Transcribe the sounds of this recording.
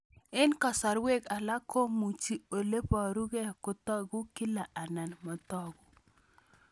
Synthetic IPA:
ɪ˦nkɔ˨sa˨ɾwe˦ka˨la˦kʰo˦mu˨t͡ʃi˨˦o˨le˦pɔ˨ɾu˦ɡɛ˦kʊ˨˦t̪ɔ˦ɡʊ˦ki˦la˨ʔa˨na˨nmɔ˨tɔ˦ɡʊ˨

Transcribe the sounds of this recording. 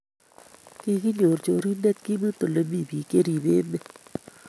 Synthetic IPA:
ke˦ki˦ɲo˨ɾt͡ʃo˧˦ɾi˦ndɛ˦t̪̚ki˦mɨ˦t̪o˨le˨mi˦˨bi˨ke˦ɾi˨beː˦me˦

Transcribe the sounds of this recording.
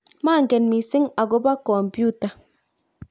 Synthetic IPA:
ma˦˨ŋɡɛ˨nmi˨sɪ˦ŋa˨ɡo˦ba˦kɔ˨mpu˦ta˨

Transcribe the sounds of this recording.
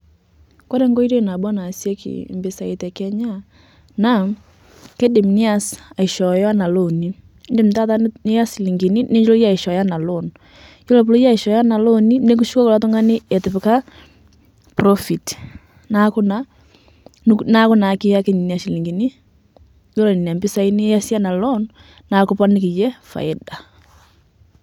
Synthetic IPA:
kɔ˦ɾɛ˦ŋɡɔ˦i˦ɾɔ˦˨na˨bɔ˦na˨sjɛ˦kʰḭ˨mbe˨sa˨e˨tɛ˨kɛ˦ɲa˦ | na˦˨ | ke˦de˨m˨ni˦a˦sa˨i˨ʃɔ˨ja˦na˨lo˦˨ni˦ | nde˨m̩˨ta˦ta˦ne˦ja˦si˨li˨ŋɡi˨ni˦ne˦ɲd͡ʒlɔ˦ja˦i˨ʃɔ˨ja˦na˨lo˦˨nɔ | ki˦lɔ˨p̬lo˦ja˦i˨ʃɔ˨ja˦na˨lo˦ni˦ne˦ku˦ʃu˦kɔ˦ko˨la˨to˦ŋɡa˦ne˦ɛ˨te˨pe˨ka˦ | prɔ˦fi˨t | na˨˦ko˦na˨ | n˦na˦ko˦na˨ke˦ja˦ke˦ɲi˨ni˦a˨ʃi˨li˨ŋɡi˨ni˦ | jo˦lɔ˨ni˨n˨a˨mbi˦sa˦i˦ni˦ja˦si˦a˦na˨lɔ˦n | na˨˦ko˦pa˦ni˦ki˨jɛ˦fa̰˨e˦da˨

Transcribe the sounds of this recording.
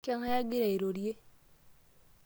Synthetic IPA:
ka˦ŋa˦ja˦ɡɪ˦ɾa˨i˨ɾo˨ɾje˦

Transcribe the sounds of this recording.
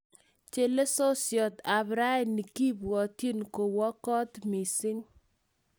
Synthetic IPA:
t͡ʃe˦˨le˦so˦sjɔ˨t̪a˨bɾa˦˨nːi˨ki˦bwɔ˨ti˦nko˨wɔ˦kɔ˦t̪mi˨sɪ˦ɲ

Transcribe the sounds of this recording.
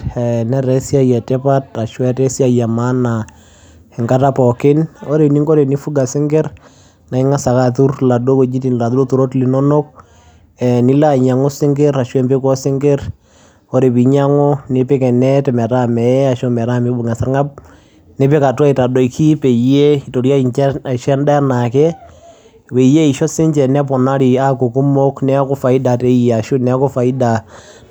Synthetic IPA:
ɛ˨nɛ˦ɾɛ˦sja˦jɛ˨tɛ˦pa˦ta˨ʃɔ˦ɛ˦tɛ˦si˦a˦˨ja˨ma˦na˨ | ɛ˨ŋɡa˦ta˦pɔ˨kɪ˦nɔ˦ɾe˨ni˦ŋɡo˦ɾe˨ni˦fu˦ɡa˨sɪ˦ŋɡɛ˦ɾ | na˨i˦ŋa˦sa˨ka˦tu˦rla˨do˦ko˨d͡ʒi˦ti˨nla˨ðu˦ɾo˦tu˨ɾo˦tli˨nɔ˦no˦k̚ | ɛ˨ni˦la˦˨ɲa˨ŋɔ˦sɪ˦ŋɡɛ˦ɾa˨ʃwɛ˦mbe˦kɔ˦sɪ˦ŋɡɛ˦ɾ | ɔ˦ɾe˨pi˨ɲa˦ŋɔ˦ne˨˦pe˦kɛ˨nɛ˦tɛ˨mɛ˨ɾa˦mɛ˨ɛ˦a˨ʃo˦mɛ˨ɾa˦˨me˦bʊ˨ŋɛ˨sa˦ɾŋa˦p̚ | ne˦pe˦ka˨twa˦i˨ta˨dɔ˨ikʰi˦pe˨je˦i˨to˨ɾja˦˨ʃɛ˦nda˦na˨kɛ˦ | we˨je˦i˨ʃɔ˦sɪ˦ɲt͡ʃɛ˨nɛ˦p̬ɔ˨na˦ɾi˨a˦ko˨ku˦mo˦knɛ˦kɔ˦fa˨ɪ˦da˨te˦je˨a˨ʃu˦nɛ˦kɔ˦fa˨i˦da˨

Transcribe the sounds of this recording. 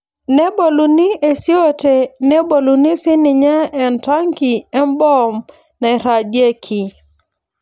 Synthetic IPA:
nɛ˦bo˨lu˨ni˦e˨sjɔ˦tɛ˨nɛ˦bo˨lu˨ni˦si˦ni˨ɲa˦ɛ˨nta˦ŋki˨ɛ˦mbɔ˦m | na˨ɛ˨ɾa˨d͡ʒe˦kʰi˨

